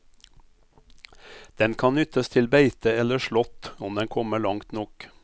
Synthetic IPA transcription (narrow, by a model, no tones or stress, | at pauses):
d̪̥ɛnkʰɑnnʏt̪əst̪ʰɪlbeɪt̪əɛləʃɭɔt̪ɔmd̪ɛnkʰɔməɭɑŋt̪nɔk